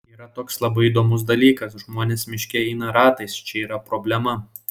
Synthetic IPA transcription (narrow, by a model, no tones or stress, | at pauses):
iːɾɐt̪oːkslˠɐbɐɪid̪oːmʊs̬d̪ɐlʲiːkɐs̬ʒmoːnʲeːsmʲɪʃʲkʲɛɛɪnɐɾɑːt̪ɐɪst͡ʃʲɛiːɾɐpɾɔbʲlʲɛmɐ